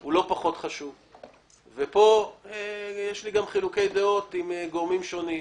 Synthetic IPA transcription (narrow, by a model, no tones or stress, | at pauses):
ulo̞paχo̞t̪χaʃuv | vepo̞ejeʃliɡamχilukejd̪eot̪imeɡoʁmimʃo̞ni